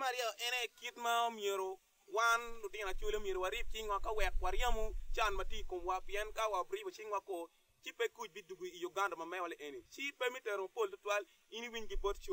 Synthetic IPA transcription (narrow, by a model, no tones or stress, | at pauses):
kmaɾjɔʔɛnɛkitmaomjeɾo | wanlʊtɪnat͡ʃwoliomjeɾowaɾɪp̚t͡ʃɪŋwakawɛkwaɾjamot͡ʃanmɐtjiikomwapɪɛnkawabɾɪbot͡ʃɪŋwako | t͡ʃipekut͡ʃ̚biduɡoijuɡandamamɛwalɛʔenit͡ʃipemitɛɾomapoltʊtwal | iniwiɲɡibott͡ʃo